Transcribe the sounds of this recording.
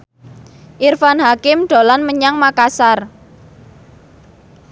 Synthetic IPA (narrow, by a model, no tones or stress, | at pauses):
ʔirfanɦakɪmɖ̪̥o̤lanməɲaŋmakasar